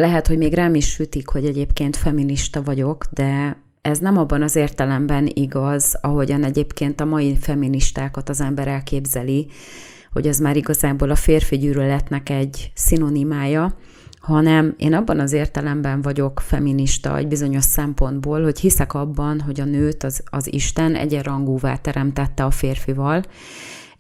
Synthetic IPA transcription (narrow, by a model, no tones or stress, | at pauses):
lɛɦɛt̪hoɟmeːɡraːmiʃhyt̪ikho̞ɟɛɟeːpkeːnt̪fɛminiʃt̪ɒvɒɟo̞kd̪ɛ | ɛznɛmɒbːɒnɒzeːrt̪ɛlɛmbɛniɡɒzɒɦo̞ɟɒnɛɟeːpkeːnt̪ɒmɒjifɛmːiniʃt̪aːkɒt̪ɒzɛmbɛɾɛlkeːbzɛli | ho̞̰ɟɒzmaːɾiɡɒzaːboːlɒfeːrfiɟyːɾølɛt̪nɛkɛɟsinonimaːjɒ | hɒnɛmḛːnɒbːɒnɒzeːrt̪ɛlɛmbɛɱvɒɟo̞kfɛ̰mːiniʃt̪ɒ̰ɛ̰ɟbizo̞ɲo̞ʃsɛmpo̞nd̪boːlho̞chisɛkɒbːɒnɦo̞ɟɒnøːt̪ɒzɒzḭʃt̪ɛnɛ̰ɟɛrɒŋɡuːva̰ːt̪ɛɾɛmt̪ɛt̪ːɛɒfeːrfivɒl